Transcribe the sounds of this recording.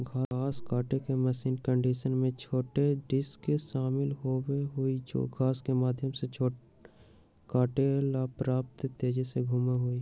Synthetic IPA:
ɡaaːskaːʈekeməsiːnkə̃ɳɖiːʃənmẽt͡ʃʰoːʈeɖɪskeʃaːmɪlɦoweɦʊid͡ʒo̰ːɡʱaːskemaːd̪ʱjəmset͡ʃʰoː | kaːʈelaːpɾaːp̚t̪t̪eːd͡ʒeseɡʱuːmeɦʊi

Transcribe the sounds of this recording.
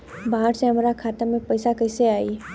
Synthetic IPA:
bãːɾseɦəmɾakʰaːt̪amẽpɐɪsakəɪseaːi

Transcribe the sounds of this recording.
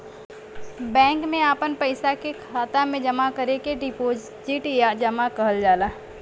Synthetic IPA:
bɛ̃ːŋkmẽaːpənpəɪsakekʰaːt̪amẽd͡ʒɐmakəɾekeɖɪpoːd͡ʒ | d͡ʒiʈijad͡ʒɐmakɐɦəld͡ʒaːla

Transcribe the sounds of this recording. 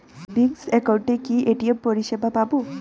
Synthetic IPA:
biɡsɛkawɳʈekiʔeʈiepoɹiʃebapabo

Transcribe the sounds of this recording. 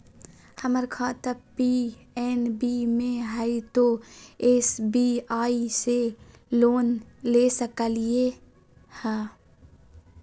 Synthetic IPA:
həməɾkʰaːt̪əpiɛːnbiːmẽɦəit̪oesbiːaːise | loːnlesəkəlie | hɛ̃ː

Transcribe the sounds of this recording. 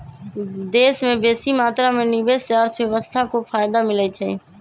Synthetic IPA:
d̪esmẽbeːsimaːt̪ɾamenɪbest͡ʃaɾt̪ʰbjeʋəst̪ʰakopʰaːjd̪amɪlɛt͡ʃʰə

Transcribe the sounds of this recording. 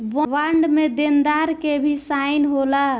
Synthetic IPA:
ʋʋaɳɖmed̪end̪aɾkebʱisainɦola

